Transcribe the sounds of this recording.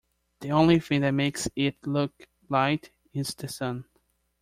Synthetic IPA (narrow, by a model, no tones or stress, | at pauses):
ðiõʊ̃nlifɪ̃ŋðɨt̚meɪksɪtlʊk | laɪɾ | ɪ̃ntðɨsʌ̃n